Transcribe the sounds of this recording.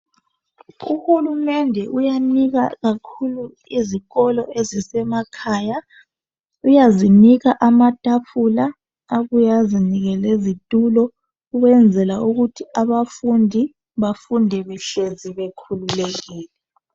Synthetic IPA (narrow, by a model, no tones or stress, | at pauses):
ṵhulumɛndʱɛʔujaniɣaɣakʰulu | iziɣɔlɔezisɛmakʰaːja | ujaziniɣaʔamatʼapʰulaː | ɣujaziniɣɛlezitʼulɔ | uɣwɛnd͡zʱɛlauɣutʰiaβafundʱi | βafundʱɛβɛɬeziβekʰululɛɣiːlɛ